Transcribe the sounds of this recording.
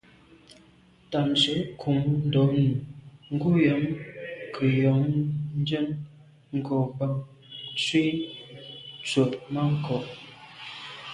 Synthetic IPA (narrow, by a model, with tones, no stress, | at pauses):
ta˨nt͡se˨˦kʰu˨˦ŋn˦dɔ˨˦nu˨ŋ̩˦ɡu˦jɔ˨˦ŋkʰə˨jɔ˨˦ŋn˦d͡ʒə˦n | ŋ̩˨kɔ˨ba˦ŋ | swi˦ | t͡sə˨t̚ma˦ŋ˦kɔ˨ʔ